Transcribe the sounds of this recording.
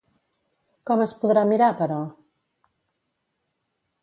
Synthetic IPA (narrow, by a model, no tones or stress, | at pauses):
kɔməspuðɾamiɾapəɾɔ